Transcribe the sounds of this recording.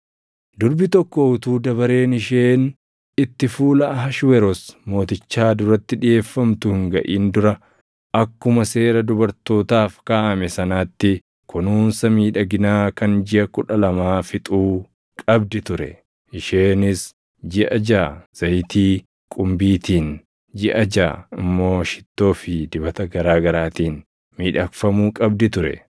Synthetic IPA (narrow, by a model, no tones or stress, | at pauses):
d̪ʊɾbɪt̪ɔkːɔʊt̪uːd̪ɐβɐɾe̞ːnɪʃe̞ːn | ɪt̪ːɪfuːlɐʔɦɐʃwɛɾɔsmo̞ːt̪ɪt͡ʃːaːd̪ʊɾɐt̪ːɪᶑɪje̞ːfːɐmt̪ʊhɪŋɡɐʔiːnd̪ʊɾɐ | ʔɐkːʊmɐse̞ːɾɐd̪ʊbɐɾt̪o̞ːt̪aːfkaːʔɐmɛsɐnaːt̪ːɪ | kʰʊnuːnsɐmiːᶑɐɡɪnaːkɐnd͡ʒɪʔɐkʊᶑɐlɐmaːfɪt̪ʼuː | kʼɐbd̪ɪt̪ʊɾɛ̰ | ɪʃeːnɪs | d͡ʒɪʔɐd͡ʒaːz̥ɐjt̪iː | kʼʊmbiːt̪iːn | d͡ʒɪʔɐd͡ʒa̰ːɪmːo̞ːʃɪ̥t̪ːo̞ːfɪd̪ɪbɐt̪ɐɡɐɾaːɡɐɾaːt̪iːn | miːᶑɐkfɐmuːkʼɐbd̪ɪt̪ʊɾɛ̰